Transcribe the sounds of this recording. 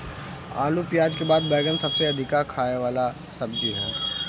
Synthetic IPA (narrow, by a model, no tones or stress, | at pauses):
a̰ːlupjaːd͡ʒkebaːd̪bɛːɡənsɐbseɐd̪ʱɪkakʰaːeʋaːla | sɐb̚d͡ʒiɦɛː